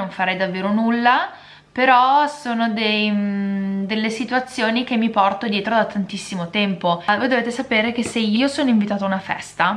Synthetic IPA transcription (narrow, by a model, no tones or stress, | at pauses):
oɱfaɾɛjd̪avːeːɾonulːa | peɾɔsoːnod̪ej | d̪elːesit̪uat̪sːjoːnik̟emːipɔrt̪od̪jeːt̪ɾod̪at̪ʰant̪isːimot̪ɛmpovoːjd̪oveːt̪esapeːɾek̟eseiːosoːnoiɱvit̪aːt̪aunafɛ̰st̪a